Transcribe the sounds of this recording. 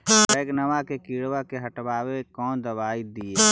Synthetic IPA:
ɛːknəʋakekiɽwakeɦəʈbaːwekɔːnd̪əbaːid̪ie

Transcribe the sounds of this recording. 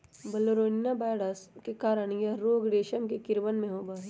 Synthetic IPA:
bɐloɾoːnijabaːɽəskekaːɾəɳjaɾoːɡɽeːʃəmkekɪɾʋənmẽɦoːbaːɦi

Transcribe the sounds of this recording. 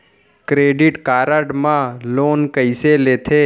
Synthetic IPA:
kɾeɖiʈkaːɾəɖmãlonkəjselet̪ʰe

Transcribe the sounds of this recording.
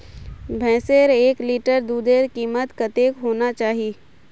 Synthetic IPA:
bʱɛ̃ːseːɾeːkliːʈəɾd̪uːd̪eːɾkiːmət̪kət̪eːkɦoːnat͡ʃaːɦi

